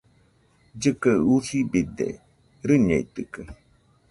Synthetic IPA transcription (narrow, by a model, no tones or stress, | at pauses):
d͡ʒɨkəusibid̪ḛ | ɾɨɲḛit̪ɨkə